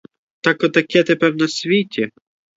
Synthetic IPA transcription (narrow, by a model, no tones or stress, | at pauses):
t̪ɑkɔt̪ːɐkʰɛt̪epɛrnɐsʲʋʲitʲi